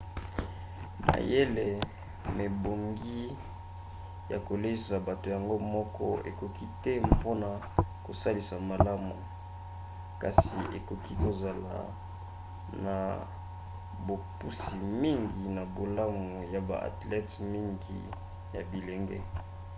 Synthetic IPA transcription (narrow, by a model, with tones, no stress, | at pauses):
ma̰˨je˦le˨ | me˨bo˨ŋɡi˦ | ja̰˨ko˨le˦sa˨ba˨to˨ja˨ŋɡo˦mɔ˦kɔ̰˦ḛ˨ko˨ki˦tɛ˦po˦na˨ | ko˨sa˦li˨sa˨ma˨la˦mu˨ | ka˨sḭ˨ʔḛ˨ko˨ki˦ko˨za˨la̰˨ | na˨ | bo˨pu˦si˨mi˦ŋɡi˨na˨bo˨la˦mu˨ja˨ba̰˨ʔa̰˨tlɛ˦tmi˦ŋɡḭ˨ | ja̰˨bi˨le˨ŋɡe˦